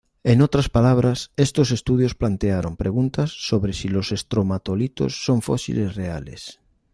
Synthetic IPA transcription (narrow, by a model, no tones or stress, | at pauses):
enot̪ɾaspalaβ̞ɾasest̪osest̪uð̞josplant̪eaɾompɾʔeɣunt̪asːoβɾesilosest̪ɾomat̪olit̪o̰sːoɱfosḭlesrealḛs